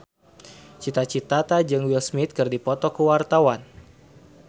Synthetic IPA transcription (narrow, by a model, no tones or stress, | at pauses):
t͡ʃit̪at͡ʃit̪at̪ad͡ʒɨŋwilsmit̪̚kɨrdipɔt̪ɔkuwart̪awan